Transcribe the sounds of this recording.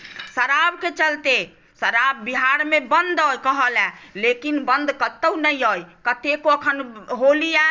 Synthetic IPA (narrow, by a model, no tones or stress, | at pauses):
səɾabket͡ʃəlt̪e | səɾabːiɦaɾmebənd̪ojkəɦəlɛ̃lekinbənd̪kət̪ːəwnəjojkət̪ekoəkʰənɦolija